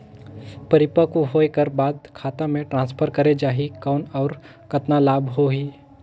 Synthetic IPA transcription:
pəɾɪpəkuɦoekəɾbaːd̪kʰaːt̪ãmẽʈɾãːnspʰəɾkəɾed͡ʒaːɦikaːnɔːɾ | kət̪nalaːbɦoɦiː

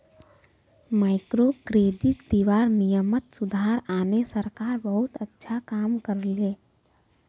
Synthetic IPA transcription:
maːɪkɾokɾeːɖɪʈd̪iʋaːɾnijəmət̪sʊd̪ʱaɾaːnesəɾkaːɾbəɦʊt̪ətːʃʰakaːmkəɾleː

